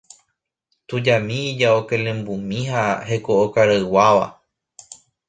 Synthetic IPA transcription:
t̪ud͡ʒamĩid͡ʒaokẽlẽmbumĩɦahe̞kookaɾawaʋa̰

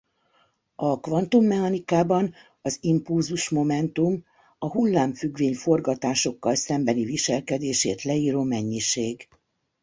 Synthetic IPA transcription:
ɒkʋɒnt̪umːɛhɒnikaːbɒn | ɒzimpulzuʃmo̞mɛnt̪um | ɒɦulːaːɱfyɡʋeːɲfo̞rɡɒt̪aːʃo̞kːɒlsɛmbɛniviʃɛlkɛd̪eːʃḛːt̪lɛiːɾoːmɛɲːiʃeːɡ

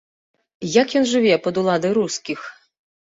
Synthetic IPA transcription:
jakjɔnʐɨvʲɛpɐd̪ulˠad̪ɐjɾuskʲix

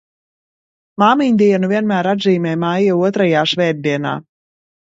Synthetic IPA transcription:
maːmiɲʲd̪iɛnuvʲiɛnmæːɾad̪ziːmʲɛːmajɛuɔt̪ɾajaːʃvɛːɾ̚d̪iɛna̰ː

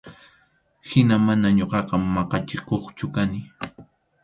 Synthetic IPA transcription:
hɪnamanaɲoqɑqɑmːɑqɑt͡ʃɪkoχt͡ʃʊkanɪ

